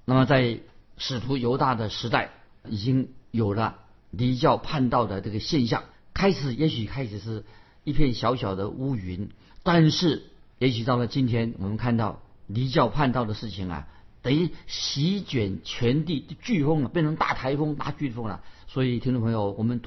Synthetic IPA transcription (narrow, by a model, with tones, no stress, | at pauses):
na˥˩mə˩t͡sa˥˩ɪʂɻ̩˨˩t̪ʰu˧˥jo˧˥ʊt̪a˥˩d̪ə˩ʂɻ̩˧˥t̪a˥˩ɪ | i˨˩t͡ɕi˥ŋjo˨˩ʊlə˦ | li˧˥t͡ɕjɑ˥˧ʊpʰa˥˧nt̪ɑ˥˩ʊd̪ə˩ʈ͡ʂɤ˥˩ɡə˩ɕjɛ˥˧nɕjɑ̰˥˩ŋ | kʰa˥ɪʂɻ̩˨˩jɛ˧˥ɕy˨˩kʰa˥ɪʂɻ̩˨˩ʂɻ̩˥˩ | i˥˧pʰjɛ˥˩nɕjɑ˧˥ʊɕjɑ˨˩ʊd̪ə˦u˥y˧˥n | t̪a˥˧nʂɻ̩˥˩ | jɛ˧˥ɕy˨˩t̪ɑ˥˩ʊlə˩t͡ɕi˥nt̪ʰjɛ˥nwɔ̰˨˩mə˦nkʰa˥˧nt̪ɑ˥˩ʊli˧˥t͡ɕjɑ˥˧ʊpʰa˥˧nt̪ɑ˥˩ʊd̪ə˩ʂɻ̩˥˩t͡ɕʰi˨˩ŋɐ̰˩t̪ə˧˨˩i˥ɕi˧˥t͡ɕɥɛ˨˩nt͡ɕʰɥɛ˧˥nt̪i˥˧t͡ɕy˥˧fɤ˥ŋlə˨˩pjɛ˥˧˩nʰɤ˧˥ŋt̪a̰˥˩t̪ʰa˧˥ɪfɤ˥ŋt̪a̰˥˧t͡ɕy˥˧fɤ˥ŋlɐ̰˨˩swɔ˧˥i˨˩t̪ʰŋʈ͡ʂo˥˧˩pʰɤ˧˥ŋjo˧ʊwɔ˨˩mə˦n